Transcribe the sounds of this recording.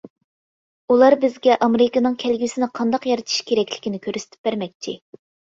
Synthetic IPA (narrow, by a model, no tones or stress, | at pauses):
ulˠɑɾbɪzɡʲɛʔɑmeɾɪkɨnɨŋkʲʰælɡʲisɪnɪqʰɑnd̪ɑqjɑɾɨt̪ʰi̥ʃkʲʰeɾɛkʲlɪ̥kʲinɪkʲʰøɾsɪ̥t̪ʰɪ̥p̚bæɾmɛk̚ʲt͡ʃʰɪ